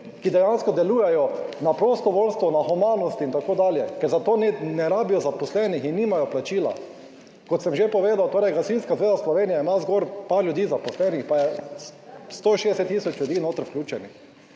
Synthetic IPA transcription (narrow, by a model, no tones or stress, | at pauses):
kid̪ɛjanskɔd̪ɛluːjɛjɔnapɾɔst̪ɔʋoːlst̪ʋɔnaxumaːnɔst̪iːnt̪akoːd̪aːljɛkɛɾzat̪oːnnɛɾaːbijɔzapɔslɛnixinːiːmajɔplat͡ʃiːla̰ | kɔt̪sɛmʒepɔʋeːd̪awt̪oːɾɛjɡasinskazʋeːzaslɔʋeːnijaimazɡoɾpaɾljud̪iːzapɔslɛnixpajɛ | st̪oːʃeːd̪ɛsɛt̪ːiːsɔt͡ʃljuʊd̪iːnoːt̪əɾfklʲjʲuːt͡ʃɛnix